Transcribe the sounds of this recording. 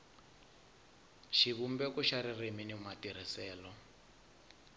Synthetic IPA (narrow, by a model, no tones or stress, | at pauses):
ʃiβumbɛkuʃaɾireminimatiɾ̤isɛːlɔ